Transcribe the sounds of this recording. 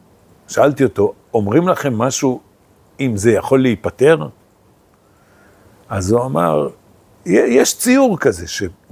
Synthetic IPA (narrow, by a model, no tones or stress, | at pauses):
ʃaalt̪io̞t̪o̞ | omʁimlaχe̞mːaʃu | imze̞jaχo̞lːeipate̞ʁ | azuama̰ʁ | jejeʃt͡siuʁkaze̞ʃe̞